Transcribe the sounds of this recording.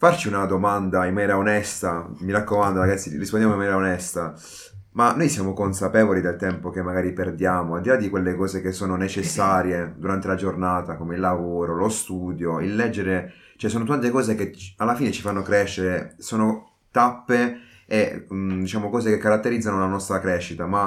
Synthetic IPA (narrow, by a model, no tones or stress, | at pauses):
fart͡ʃiunad̪omand̪aimːanjɛːɾaonɛst̪amiɾakːomand̪aɾaɡat̪sːirispondjamoimːanɛɾaonɛst̪a | manːojsjaːmokonsapɛːvolid̪elt̪ɛmpok̟emːaɡaːɾiperd̪jaːmoald̪ilad̪ːikwelːekɔːzekesːoːnonet͡ʃesːaːɾjed̪uɾant̪elad͡ʒornaːt̪akomeilːavoːɾolost̪uːd̪joilːɛd͡ʒːeɾe | t͡ʃɛsoːnot̪̬ant̪ekɔːzekealːafiːnet͡ʃifanːokɾɛʃːeɾesoːno | t̪apːe | ed̪it͡ʃaːmokɔːzekekːaɾat̪ːeɾid̪zːanolanɔst̪ɾakɾɛʃːit̪ama